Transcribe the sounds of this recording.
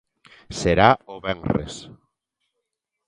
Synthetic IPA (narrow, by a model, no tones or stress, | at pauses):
seɾaoβɛŋrḛs